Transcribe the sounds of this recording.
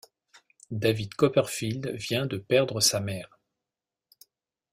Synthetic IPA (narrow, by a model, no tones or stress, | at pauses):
d̪avid̪kɔpɛʁfild̪vjɛ̃d̪əpɛʁd̪ʁəsamɛːʁ